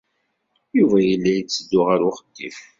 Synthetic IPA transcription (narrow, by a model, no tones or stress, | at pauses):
juvæjəlːæjət͡sːəd̪ːʊʁaɾʊχəd̪ːif